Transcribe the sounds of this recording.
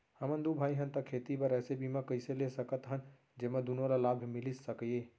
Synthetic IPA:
həmənd̪ubʱaiɦənt̪əkʰet̪ibəɾɛsebʱimekəɪselesəkət̪ɦən | d͡ʒeməd̪unoɾalabʱmilissəkəje

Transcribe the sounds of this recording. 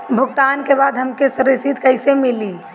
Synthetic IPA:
bʱʊɡt̪ankebaːd̪ɦəmkesəɾɪsit̪kəɪsemɪli

